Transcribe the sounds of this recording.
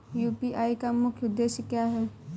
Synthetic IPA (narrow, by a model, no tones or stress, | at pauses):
juːpiʔaːikamʊkʰjʊd̪ːeːʃəkjaːɦɛː